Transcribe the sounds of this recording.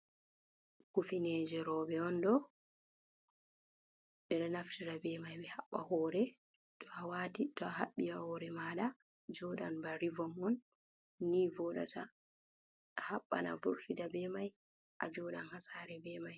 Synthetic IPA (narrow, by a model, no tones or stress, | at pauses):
kufineːd͡ʒɛɾɔɓɛɔndɔ | ɓɛɗɔnaftiɾabɛmajɓɛhaɓːa̰hɔːɾɛ | tɔawaːtitɔahaɓːiahɔɾɛmaɗa | d͡ʒɔɗanbaɾivɔmɔnː | iːvɔɗa̰tʰa | haɓːa̰na̰bṵɾtidabɛmaj | ʔa̰d͡ʒɔɗanhasaːɾɛbɛmaj